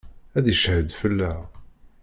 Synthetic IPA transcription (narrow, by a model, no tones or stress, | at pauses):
æðjəʃhəd̪fəlːæ